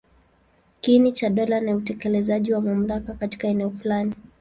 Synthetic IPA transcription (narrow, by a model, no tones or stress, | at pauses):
kinit͡ʃaɗɔlaniutɛkɛlɛzaʄiwamam̩lakakati̥kaɛnɛɔfulani